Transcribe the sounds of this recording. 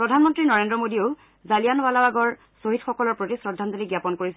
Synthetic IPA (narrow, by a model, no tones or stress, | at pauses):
pɹɔdʱanmɔntɹinɔɹendɹɔmodioʊ | zalijanwalawaɡɔɹ | soɦitxɔkɔlɔɹpɹotisɹɔdʱːant̪oliɡjapɔnkoɹisɛ